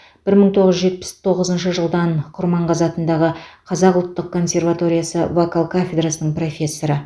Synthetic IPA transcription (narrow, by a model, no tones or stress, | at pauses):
b̥ɪɾməɴt̪ʰo̞ʁəzʒe̞t̪̚pɪ̥st̪ʰo̞ʁəzənʃəʒəlˠd̪ɑnqʰʊɾmɑɴqɑzɑt̪ənd̪ɑʁəqʰɑzɑqʊlˠt̪ːəq̚kʰːo̞nsʲe̞rvat̪o̞ɾʲijasə̰vokalˠkʰafʲe̞d̪ɾasənəɴpro̞fʲe̞sːo̞ɾə